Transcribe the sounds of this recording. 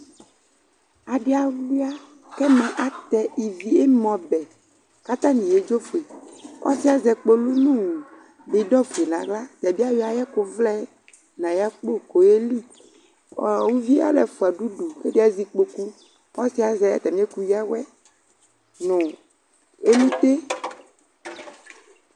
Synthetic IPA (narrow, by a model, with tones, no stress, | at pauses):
a˨ɖe˦a˨wu˦a˦ | kɛ˦mɛ̃˨ʔa˨t̪ɛ˨i˨vi˨e˦mɔ̃˨bɛ˨ | ka˦t̪ã˦nĩ˨je˨˦d͡ʒo˦fo˨e˨kɔ̰˦si˦a˨zɛ˨k͡po˦lu˦nũ˦wu˨ | bi˨ɖɔ˦fu˨e˨nã˨ɡla˦t̪ɛ˨bi˦a˦wi˦a˨jɛ˦ko˨vlɛ˦ | nã˨ja˦k͡po˦ko˨je˦li˦ | ɔ˨wu˦vi˦a̰˦lɛ˨fu˨a˨ɖu˦ɖu˨ke˦de˦a˨zi˦k͡po˨ku˦ | kɔ˦si˦a˨zɛ˨a̰˨t̪ɛ˨mĩ˦e˦ku˦ji˦a˦wɛ˦ | nõ˨ | e˦lu˦t̪e˦